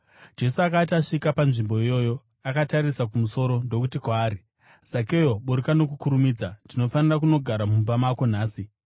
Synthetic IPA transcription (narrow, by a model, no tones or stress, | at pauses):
d͡ʒe̞suakat̬aʂikapanʐimbo̞ijo̞ːjo̞ | akataɾisak̬umuso̞ɾo̞ndo̞kutikwaːɾi | z̥ake̞jo̞ɓuɾikano̞kukuɾumiːd͡zandino̞fanirakuno̞ɡʱaɾamumbamako̞naːsi